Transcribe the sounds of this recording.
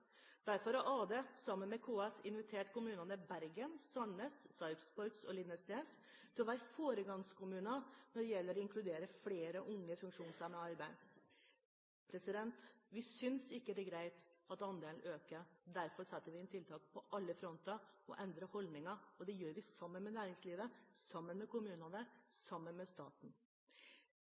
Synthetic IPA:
d̪̥æɾfɔɾɔʔɑːd̪ɛsɑmːənmɛkʰuːɑsɪnʋɪt̪ʰeːʈkʊmʉːnɑnəbæɾɡənsɑnːəssɑɪfspɔt̪sɔlɪnːəst̪eːs | t̪ʰɪʋæːɾfoːɾəɡɑŋskʰʊmʉːnɑnɔɖɛjɛlːəɾɔɪŋkʰlʉd̪eːɾəfleːɾəʔʊŋːəfʉŋkʂuːnsɑməɑɾbæɪ | pʰɾɛsɪd̪ɛnt̪ʋɪsʏnsɪkːəd̪ɛɡɾæɪt̪ɑt̪ɑnd̪eːln̩ʔøːkəɾd̪æɾfɔɾsɛt̪ːəɾʋɪɛnt̪ʰɪlt̪ʰɑːk̚pʰɔʔɑlːəfɾɔnt̪ɑɔ̰ʔɛnd̪ɾəhɔld̪nɪŋɑɔd̪ɛjøːɾʋɪsɑmːənmɛnæːɾɪŋsliːʋəsɑmːənmɛkʰʊmʉːnɑnəsɑmːənmɛst̪ɑ̰ːt̪n̩

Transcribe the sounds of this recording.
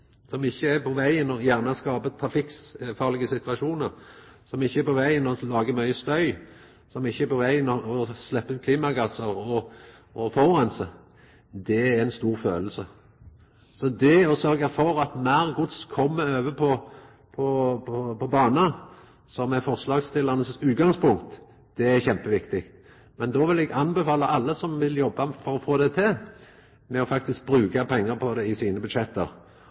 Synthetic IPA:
sɔmɪçːəæpʰɔʋæɪənɔjæʁnəɛskɑːbət̪̚pʰæʁfɪksfɑːʁlɪɡəsɪt̪ʋɑʃuːnəɾ | sɔmɪçːəæpʰɔʋæɪənɔlɑːɡəmœʏəst̪œʏ | sɔmɪçːəæpʰɔʋæɪənɔɔslɛpːəʉnkʰliːmɑɡɑsəʁɔɔfɔʁʁɛnsə | d̪ɛææɪnst̪uːʁfø̰ːləsə | sɔd̪ɛɔsœɾɡɑfɔɾɑt̪mæɾɡʊt̪skʰɔmːəøːʋəpʰɔ | pʰɔpɔpʰɔbɑːnə | sɔmɛɾfɔɾslɑːɡst̪ɪlːɑnəsʉːt̪̚ɡɑŋspʊŋk̚t̪ | d̪̥ɛæɾçɛmpəʋɪkt̪ɪɡ | mɛnd̪ɔːʋɪlɛɡɑnbɛfɑːlɑʔɑlːəsɔmʋɪljɔbːɑfɔɾɔfoːd̪ɛt̪ʰɪ | mɛɔfɑk̚t̪ɪsk̚bɾʉːkɑpʰɛŋːəɾpʰɔd̪ɛɪsiːnəbʉd̪ʂɛt̪ːə̰ɾ

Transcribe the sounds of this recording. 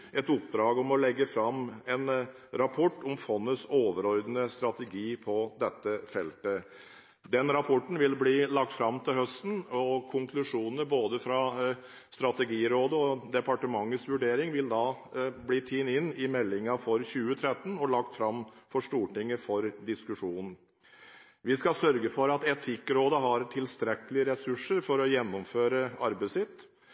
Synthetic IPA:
ɛt̪ʊpd̪ɾɑːɡɔmɔlɛɡːəfɾɑmɛn | ɾɑpʰɔʈːɔmfɔnːəsoːʋəɾɔɾd̪ənəst̪ɾɑt̪əɡiːpʰɔd̪ɛt̪ːəfɛlt̪ə | d̪ɛnɾɑpʰɔʈːn̩ʋɪlbliːlɑk̚t̪fɾɑmːt̪ʰɪlɦœst̪n̩ɔkʰʊŋkʰlʉʂuːnnəɾboːd̪əfɾɑ | st̪ɾɑt̪ɛɡiːɾoːd̪əɔd̪ɛpɑʈəmɑŋːət̪sʋʉɖeːɾɪŋʋɪld̪ɑː | bliːt̪ʰiːnɪnːɪmɛlːɪŋəfɔɾɕʉːət̪ʰɾɛt̪ːnɔɭɑk̚t̪fɾɑmːfɔʂʈuːʈɪŋːəfɔɾd̪ɪskʉʂuːnn̩ | ʋɪskɑsœɾɡəfɔɾɑt̪ɛt̪ʰɪkɾoːd̪əɦɑɾt̪ʰɪlst̪ɾɛkəlɪəɾɛsʉʂəɾfɔɾɔjɛnːʊmføːɾəɑɾbəɪsɪt̪ː

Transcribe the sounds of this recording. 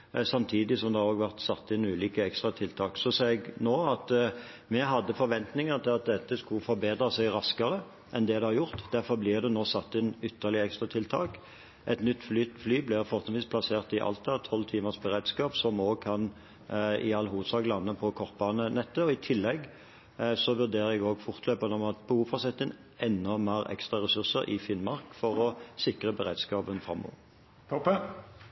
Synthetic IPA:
sɑmt̪ʰiːd̪ɪsɔmd̪ɛoːɡʋæʁt̪sɑt̪ːɪnːʉːliːkəɛkst̪ʁɑt̪ʰɪlt̪ʰɑːksɔsɑːɛɡnoːɑt̪ | mɛɦɑd̪ːəfɔɾʋɛnt̪nɪŋət̪ʰɪlɑt̪̚d̪ɛt̪ːəskʉfɔɾbeːd̪ʁəsæɡʁɑskəʁə | ʔɛnd̪ɛːd̪ɛhɑɾjʊʁt̪d̪æʁfɔblɪːʁd̪ɛnoːsɑt̪ːɪnʏt̪ːəʁlɪəɛkst̪ʁɑt̪ʰɪlt̪ʰɑːk | ʔɛt̪nʏt̪ːflyt̪flyːblɪʁfɔʁt̪ənʋiːspʰlɑseːʁt̪ɪʔɑ̰lt̪əʁt̪ʰːɔlːt̪ʰiːməsbəɾeːd̪skɑːpsɔmoːɡkʰɑn | ɪɑlːɦuːd̪sɑːɡlɑnːəpʰɔkʰɔʁt̪̚bɑːnənɛt̪ːəɔɪt̪ʰɪlːɛɡ | sɔʋʉʁd̪eːʁəɛɡoːɡfʊʁt̪løːpənɔmɑt̪pʰɔuːfɑsɛt̪ːɪnʔɛnːəmæːʁɛ̰kst̪ʁɑʁɛsʉʁsəɾʔɪfɪnmɑʁkfɔʁɔsɪkʁəbəʁeːd̪skɑːpənfʁɑ̰mːɔ̰ːʋə | t̪ʰɔpə

